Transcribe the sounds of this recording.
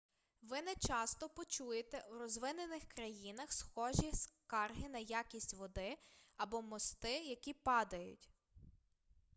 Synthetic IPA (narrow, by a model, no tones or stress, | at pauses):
ʋɪnɛt͡ʃɑst̪ɔpɔt͡ʃujet̪ɛwɾɔzʋɪnenɪxkɾɐjinɐxsxɔʒʲiskɑrɦɪnɐjakʲisʲtʲʋɔd̪ɪɐbɔmɔst̪ɪjɐkʲipɑd̪ɐjʊ̰tʲ